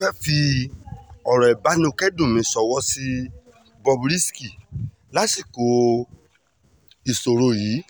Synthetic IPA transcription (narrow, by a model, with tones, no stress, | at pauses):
ɛ˦fi˧ | ɔ˨ɾɔ˨ɛ˨ba˨˦nĩ˦o˧kɛ˦dũ˦˨mĩ˨˦sɔ˨˧wɔ˦si˧˦ | bɔ˧bɾi˦ski˦˨ | la˦si˦˨ko˨˦ | i˨so˨ɾo˧jiː˨˦